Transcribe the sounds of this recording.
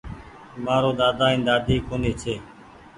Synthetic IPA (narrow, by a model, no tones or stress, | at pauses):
maːɾoːd̪aːd̪aːĩːd̪aːd̪iːkoːneːt͡ʃʰeː